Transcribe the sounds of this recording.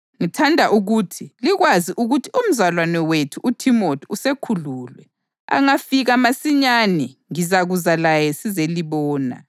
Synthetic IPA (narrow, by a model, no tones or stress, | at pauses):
ŋitʰandʱaʔuɣutʰiliɣwaziʔuɣutʰium̩zalwanɛwetʰuʔutʰimotʰiusekʰuluːlwɛ | a̰ŋafiɣamasiɲanɛŋizaɣuzalajɛsizeliβɔːna̰